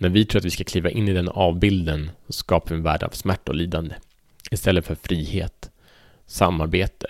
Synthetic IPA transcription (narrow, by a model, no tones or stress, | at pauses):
næɾvɪt̪ʰɾuːat̪vɪskakʰliːvaʔɪnːɪd̪ɛnɑːvbɪld̪ənsɔskɑːpavɪɛnvæːɖə̰a̰vsmæʈːaɔ̰liːd̪and̪ə | ɪst̪ɛlːət̪fœɾfɾiːheːt̪ | sa̰mːaɾbeːt̪ə